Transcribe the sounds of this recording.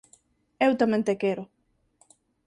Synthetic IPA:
ewt̪amẽnt̪ekeɾʊ

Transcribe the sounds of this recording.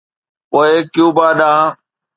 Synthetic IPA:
poːeːkjũːbaːɗãː

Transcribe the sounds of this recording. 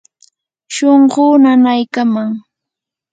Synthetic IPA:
ʃoɴɢʊːnanajkamaŋ

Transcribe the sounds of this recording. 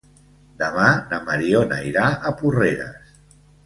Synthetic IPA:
d̪əmanəməɾiona̰iɾaʔəpureɾə̰s

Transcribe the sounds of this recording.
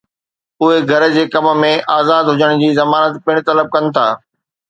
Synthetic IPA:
ʊɦeɡʱɐɾd͡ʑeːkɐmə̆mẽʔaːzaːd̪ɦʊd͡ʑəɽ̃d͡ʑiːzɐmaːnət̪pɪɽ̃t̪ɐləb̚kɐnɪ̆t̪ʰaː

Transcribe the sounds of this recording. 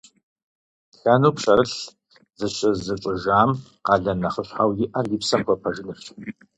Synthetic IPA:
ɬɐnuːpɕɐɾɨɬ | zɨɕɐzɨt͡ʃʷʼʊʒaːm | qɑːɮɐnɐχəɕʷħawjɪʔɐrjipsɐkʷʰɐpʰɐʒɨnɨft͡ʃʼ

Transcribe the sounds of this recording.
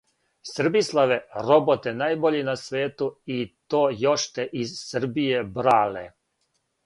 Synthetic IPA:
sr̩bislˠaʋeɾo̞bot̪enaːjboʎinasʋeːt̪uit̪oːjo̞ʃt̪eʔizsr̩bijebɾaːlḛ

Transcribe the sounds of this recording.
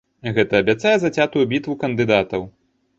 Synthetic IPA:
ɣɛt̪ɐːbʲat̪sajɛzɐt͡sʲat̪ujubʲit̪vukɐnd̪ɨd̪at̪ɐw

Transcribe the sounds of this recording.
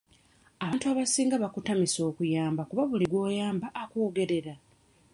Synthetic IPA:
aβaːntuaβasiːŋɡaβakutamiso̞ːkujaːmbakuβaβuliɡwo̞ːjaːmbaʔːkoːɡe̞ɾe̞ɾa

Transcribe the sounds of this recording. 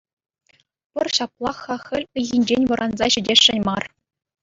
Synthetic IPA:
pʲɘ̆rɕɑplˠɑxɑxʲɘ̆lʲɘ̆ɣʲinʲd͡ʑenʲʋɤ̆ɾʔɑnzɑɕɘ̆dʲeʂːɘ̆nʲmɑr

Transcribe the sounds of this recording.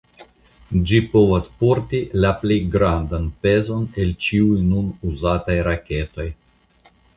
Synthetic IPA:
d͡ʒipo̞vaspoɾtilaplejɡɾandanpe̞zo̞ne̞lt͡ʃiujnunuzatajɾake̞to̞j

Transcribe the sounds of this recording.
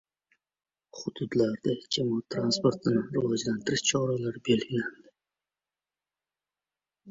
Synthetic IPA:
χʊd̪ʊd̪laɾd̪ad͡ʒamɒt̪ʰːɾanspoɾt̪ʰɪnɪɾɪvɒd͡ʒlant̪ʰɪɾɪʃt͡ʃʰɒɾalaɾbe̞lɡʲand̪ɪ

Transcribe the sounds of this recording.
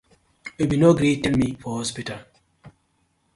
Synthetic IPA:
ebinoɡɾitɛlmifɔhɔspital

